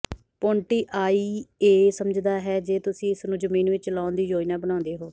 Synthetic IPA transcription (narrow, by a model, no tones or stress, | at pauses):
põːɳʈiːʔaːiːeːsəməd͡ʒd̪aːɦɛːd͡ʒeːt̪ʊsĩːɪsnũːd͡ʒəmĩːnʋɪt͡ʃlaːnd̪iːd͡ʒoːiːnãːbənãːnd̪eːɦoː